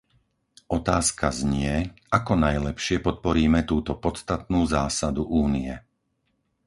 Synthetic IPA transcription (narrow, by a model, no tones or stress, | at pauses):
ʔɔt̪aːskazɲɪɛ | akɔnajlɛpʃɪɛpɔt̪̚pɔɾiːmɛt̪uːt̪ɔpɔt͡st̪at̪̚nuːzaːsad̪uʔuːniɛ